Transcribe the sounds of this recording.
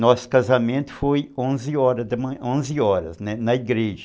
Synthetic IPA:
nɔsʊ̥kazɐmẽnt̪ʊ̥fojõzɪɔɾɐd̪ɪmɐ̃õzɪɔɾɐ̰znɛnɐiɡɾeʒɪ

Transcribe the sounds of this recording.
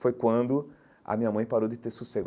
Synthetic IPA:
fojkwɐ̃nd̪ʊ | ɐ̰mĩɲɐmɐ̃j̃paɾowd͡ʒɪt̪eɾsuseɡ

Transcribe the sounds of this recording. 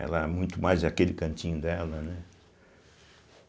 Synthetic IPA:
ɛ̰lɐɛmũj̃t̪ʊmajzd̪akelɪkɐ̃nt͡ʃĩɲʊd̪ɛlɐnɛ

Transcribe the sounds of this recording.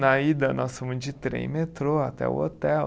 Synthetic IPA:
nɐid̪ɐnɔsfõmʊ̃d͡ʒɪt̪ɾḛmet̪ɾoat̪ɛ̰ṵo̰t̪ɛ

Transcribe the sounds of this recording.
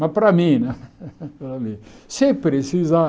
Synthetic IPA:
mɐpɾamĩnɛpɾamĩsepɾesiza

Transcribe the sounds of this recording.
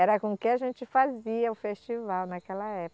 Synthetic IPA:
ɛɾɐkõkẽaʒẽnt͡ʃɪfaziɐʊfest͡ʃivawnakɛlɐɛp

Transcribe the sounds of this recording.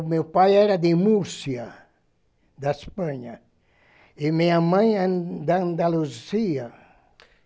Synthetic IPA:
mewpajɛɾɐd̪ɪmusjɐ | d̪ɐspɐ̃ɲɐ | imiɲamɐ̃jad̪and̪aluziɐ

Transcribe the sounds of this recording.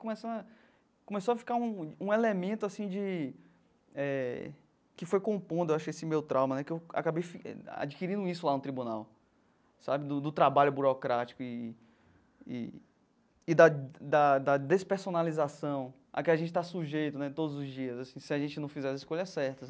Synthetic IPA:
kõmɛsɐ̃d̪ɐ | kõmesowafi̥kaũũelemẽnt̪ʊasĩd͡ʒɪ | ɛ | kɪfojkõpõd̪ʊewaʃʊesĩmewt̪ɾʔawmɐnɛkɪewa̰kabejfiɛ̰a̰d͡ʒikiɾĩd̪ʊisʊlanʊt̪ɾibũnaw | sabɪd̪ʊd̪ʊt̪ɾabaʎʊbuɾɔkɾat͡ʃi̥kʊɪ | ḭː | d̪ɐd̪ɐd̪ɐd̪espeɾsonalizasɐ̃w̃ | a̰kɪaʒẽt͡ʃɪ̥t̪asuʒejt̪ʊnɛt̪od̪ʊzʊzd͡ʒiɐzasĩsɪaʒẽnt͡ʃɪnɐ̃w̃fizɛsiskoʎɐsɛɾt̪ɐ

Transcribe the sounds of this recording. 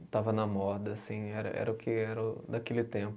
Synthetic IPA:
t̪avɐnɐmɔd̪ɐːsĩɛɾɐ̰ʔɛ̰ɾɐʊkʰɪɛɾɐʊd̪akelɪt̪ẽpʊ

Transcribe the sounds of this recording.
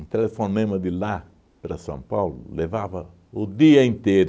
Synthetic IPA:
nt̪elefonẽmɐd̪ɪla | pɾɐsɐ̰̃mpawlʊ̰levavɐ | ʊd̪iɐẽnt̪eɾ

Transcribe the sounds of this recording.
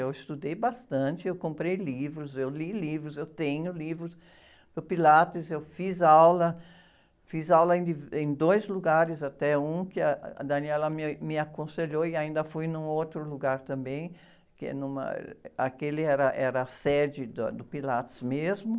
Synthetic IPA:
ewɪst̪ud̪ejbast̪ɐ̃nt͡ʃ̪ɪewkõmpɾejlivɾʊzewlilivɾʊzewt̪ẽɲʊlivɾʊs | pʊpilat̪ɪzewfizawlɐ | fizawlɐẽd̪ɪvẽj̃d̪ojzluɡaɾɪzat̪ɛũkɪa̰d̪ɐniɛlɐmɪmɪakõseʎoɪaĩnd̪ɐfujnũowt̪ɾʊluɡaɾt̪ɐ̃mbẽj̃ | kɪ̰nũmɐ̰akelɪɛɾɐʔɛɾɐːsɛd͡ʒɪd̪ɐ̰d̪ʊpilat̪ɪ̥zmezmʊ

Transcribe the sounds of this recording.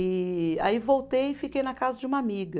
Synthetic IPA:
ɪa̰ivowt̪ejɪfikejnɐkazɐd͡ʒɪũmɐamiɡɐ

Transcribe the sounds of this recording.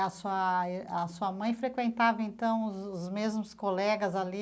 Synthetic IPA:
ɐsuɐɐsuɐmɐ̃j̃fɾekwẽnt̪avɐẽnt̪ɐ̃w̃ʊzʊzmezmʊskolɛɡɐzali

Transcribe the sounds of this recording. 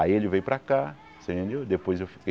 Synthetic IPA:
aielɪvejupɾaka | sẽẽnd̪ewd̪epojzewfi̥ke

